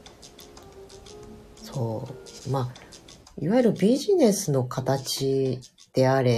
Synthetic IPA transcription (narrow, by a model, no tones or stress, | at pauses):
so̞ːmaː | iβajɯɾɯ̟bʲiʑine̞sɨno̞kʰat̪at͡ɕi | d̪̥e̞aɾe